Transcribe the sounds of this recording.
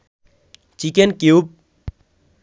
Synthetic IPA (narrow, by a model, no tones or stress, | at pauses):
t͡ʃikenkiup̚